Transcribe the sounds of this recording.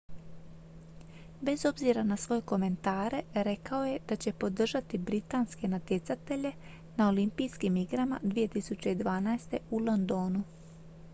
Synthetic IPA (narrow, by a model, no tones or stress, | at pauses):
be̞zo̞bziɾanasʋo̞jeko̞me̞nt̪aːɾe̞ɾe̞kao̞je̞d̪̥at͡ɕe̞po̞d̪r̩ʒat̪ibɾit̪aːnske̞nat̪je̞t̪sat̪e̞ʎe̞ | nao̞limpijskimiɡɾama̰d̪ʋije̞t̪isut͡ɕe̞id̪ʋaːnaest̪e̞ulˠo̞nd̪o̞ːnu